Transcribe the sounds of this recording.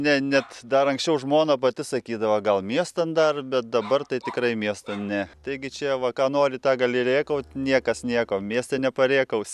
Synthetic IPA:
nʲɛnʲɛt̪d̪ɐɾɐŋksʲt͡ʃʲɛʊʒmoːnopɐt̪ʲɪsɐkʲiːd̪ɐʋɐɡɐlˠmʲiɛst̪ɐnd̪ɐrbʲɛt̪̚d̪ɐbɐrt̪ɐɪtʲɪkrɐɪmʲiɛst̪ɐnnʲɛt̪ɐɪɡʲɪt͡ʃʲɛʋɐkɑːnoːɾʲɪt̪ɑːɡɐlʲɪɾʲeːkɐʊt̪nʲiɛkɐsnʲiɛkoːmʲiɛsʲt̪ʲɛnʲɛpɐɾʲeːkɐʊsʲ

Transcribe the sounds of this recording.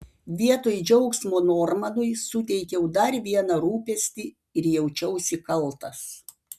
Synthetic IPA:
ʋʲiɛt̪oːjd͡ʒʲɛʊksmoːnoːɾmɐnʊjsʊt̪ʲɛɪkʲɛʊd̪ɐɾʋʲiɛnɐɾuːpʲɛsʲt̪ʲi | ɪɾjɛʊt͡ʃʲɛʊsʲɪkɐlˠˑt̪ɐs

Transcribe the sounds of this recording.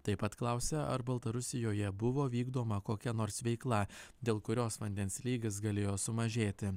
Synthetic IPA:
t̪ɐɪpɐt̪klˠɐˑʊsʲɛɐ̰ɾbɐlˠt̪ɐɾʊsʲɪjoːjɛbʊʋoːʋʲiːɡd̪oːmɐkoːkʲɛnoːɾsʋʲɛɪklˠɐd̪ʲeːlˠkʊɾʲoːsʋɐnʲd̪ʲɛnslʲiːɡʲɪs̬ɡɐlʲeːjoːsʊmɐʒʲeːt̪ʲɪ

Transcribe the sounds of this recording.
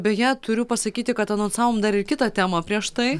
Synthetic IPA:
bʲɛjæt̪ʊɾʲʊpɐsɐkʲiːt̪ʲɪkɐt̪ɐnoːnsɑːʋoːmd̪ɐɾɪɾkʲɪt̪ɑt̪ʲæːmɐpʲɾʲiɛʃt̪ɐɪ

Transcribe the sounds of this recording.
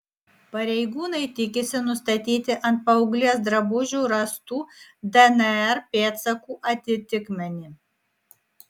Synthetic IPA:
pɐɾʲɛɪɡuːnɐɪt̪ʲɪkʲɪsʲɪnʊst̪ɐt̪ʲiːt̪ʲɪʔɐnt̪̚pɐʊɡlʲeːsd̪ɾɐbʊʒʲuːɾɐst̪uːd̪ɛnɛɛɾpʲeːt̪sɐkuːʔɐt̪ʲɪt̪ʲɪkmʲɛnʲiː

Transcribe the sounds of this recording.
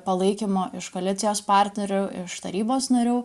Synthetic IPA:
pɐlˠɐɪkʲimoːʔɪʃkoːlʲɪt̪sʲɪjoːspɑˑɾʲt̪ʲnʲɛɾʲʊːɪʃt̪ɐ̰ɾʲiːboːsnɐɾʲuː

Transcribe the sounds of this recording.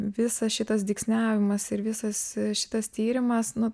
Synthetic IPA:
ʋʲɪsɐsʃʲɪt̪ɐs̬d̪ʲɪksʲnʲæːʋʲɪmɐsɪɾʋʲɪsɐsʃʲɪ̥t̪ɐst̪ʲiːɾʲɪmɐsnʊ

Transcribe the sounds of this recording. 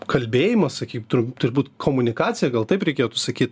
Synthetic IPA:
kʰɐlʲbʲeːjɪmɐssɐkʲiːkʲt̪ʊɾʲt̪ʊɾʲbuːt̪kʰoːmʊnʲɪkɑːt̪t͡ssʲɪjɛɡɐlˠt̪ɐɪpɾʲɛɪkʲeːjot̪usɐkʲiːt̪

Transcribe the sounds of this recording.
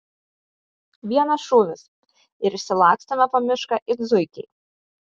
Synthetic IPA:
ʋʲiɛnɐsʃuːʋʲɪs | ɪɾɪʃʲsʲɪlˠɑːksʲt̪ʲɐmʲɛpɐmʲɪʃkɐʔɪɡzʊɪkʲɛɪ

